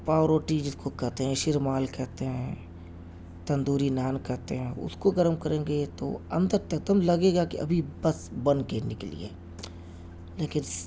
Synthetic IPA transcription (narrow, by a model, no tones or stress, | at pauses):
paːɾoːʈid͡ʒɪskokɛɦt̪eɦɛ̃ʃɪɾmaːlkɛɦt̪eɦɛ̃ː | t̪ɐ̃nd̪uːɾinaːnkɛɦt̪eɦɛ̃ʊ̰skoɡəɾəmkɐɾẽːɡet̪o̰ɐ̰̃nd̪əɾt̪ɐk̚d̪əmlɐɡeːɡakḭɐ̰bʱibɐsbɐnkenɪklḭḛː | leːkɪn